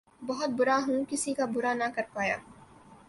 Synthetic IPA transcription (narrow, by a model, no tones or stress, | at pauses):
bɐɦʊt̪̚bʊɾaɦũkɪsikabʊɾanakɐɾpaːja̰ː